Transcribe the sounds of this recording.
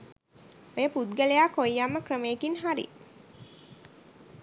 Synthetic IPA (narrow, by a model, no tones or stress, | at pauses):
ojəpud̪ɡəlejakojːamːəkrəmeːkinɦaɾḭ